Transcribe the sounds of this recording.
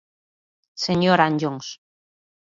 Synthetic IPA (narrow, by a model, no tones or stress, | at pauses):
seɲoɾand͡ʒoŋs